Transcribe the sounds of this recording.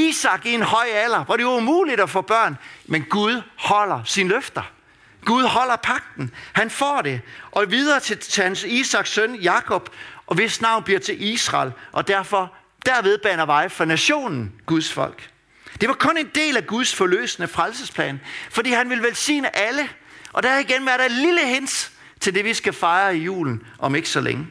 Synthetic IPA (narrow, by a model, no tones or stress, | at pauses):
iːsɑ̈ɡ̥ie̝nhɒ̽ɪælɐʋɑ̈ɾe̝joumṵːlid̥ɒfɔ̽ːb̥ɶɐ̰nmenɡ̥uð̞ˠhɒ̽l̰ɐsinəløfd̥ɐ | ɡ̥uð̞ˠhɒ̽l̰ɐpʰɑ̈ɡ̥̚d̥n̩hænfɒ̰ːɾe̝ʔɒ̽ʋið̞ˠɐːt͡sʰe̝hænsiːsɑ̈ɡ̥sːønjɑ̈kʰɒ̽b̥ʔɒ̽ʋe̝snɑ̈ʊ̰nb̥liɐt͡sʰe̝lʔisʁɑ̈lʔɒ̽d̥æɐ̰fɒ | d̥æɐʋe̝ð̞ˠb̥ænɐʋɑ̈ɪfɒnæɕo̝̰ːnn̩ɡ̥uð̞ˠsfɒ̽l̰ɡ̥ | d̥e̝ʋɑ̈kʰɔ̽ne̝nd̥e̝̰ːlæɡ̥uð̞ˠsfɒ̽lø̰ːsnəfʁalsəspʰlɛ̰ːnfɒ̽d̥ḭːhænʋe̝lʋelsḭːnəʔælə | ʔɒ̽d̥æhæiɡ̥enʋæɐɾɑeliləɦe̝n̰s | t͡sʰe̝ld̥e̝ʋisɡ̥æfɑ̈ɪɐijṵːln̩ʔɒ̽me̝ɡ̥əsɒlḛŋə